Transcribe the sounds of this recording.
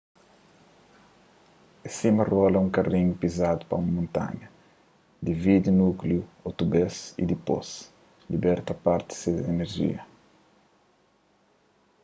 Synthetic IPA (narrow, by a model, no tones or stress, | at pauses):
esimɐrɔlɐũŋkɐrĩɲupizad̪upɐumɐmõnt̪a̰ɲɐ | d̪ivid̪inukljuot̪ubesḭd̪ipo̰s | libɛɾt̪ɐpaɾt̪i̥sed̪eneɾʒḭɐ